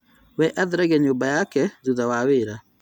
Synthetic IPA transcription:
wɛʔaðɾaɣɛɲoːmbajakɛzuðawaweɾa

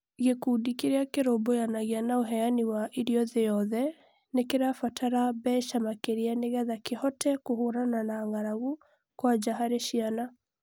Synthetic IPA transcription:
ɣekudikeɾeakeɾobojanaɣianaoɦɛaniwaʔiɾiɔðejɔðɛ | nekeɾafatʰaɾabɛʃamakeɾianeɣɛðakehɔtɛkohoɾananaŋaɾaɣu | kwad͡ʒaɦaɾeʃiana

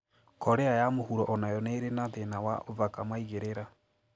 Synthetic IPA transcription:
kɔɾɛajamohuɾɔʔɔnajɔneɾenaðenawa̰ʔovakamaiɣeɾeɾa

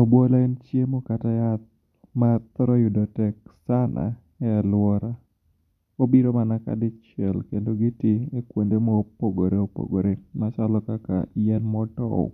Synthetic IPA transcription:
obolaint͡ʃjemokatajat̪̚ | mat̪ɾɔjudɔtɛksanʔa̰ | ɛalwɔɾa | obiɾomanaka̰dɪt͡ʃɛlkendoɡɪtiekwondemopoɡoɾeopo̰ɡoɾemasalɔkaka̰jɛnmɔtɔ̰o̰

